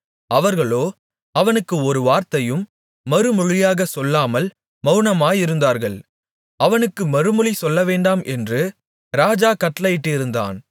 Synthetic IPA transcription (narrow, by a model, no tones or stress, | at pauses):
ɐʋɐɾɣɐɭoː | ɐʋɐnɯkːɯɔɾɯʋaːɾt̪ɐjɯmː | ɐɾɯmʊɻɪjaːɣɐsɔlːaːmɐl | mɐʊnɐmaːjɪɾɯnd̪aːɾɣɐɭ | ɐʋɐnɯkːɯmɐɾɯmɯɻɪsɔlːɐʋeːɳɖaːmʔɛndrɯ | ɾaːd͡ʒaːkɐʈːɐlɐjɪʈːɪɾɯnd̪a̰ːn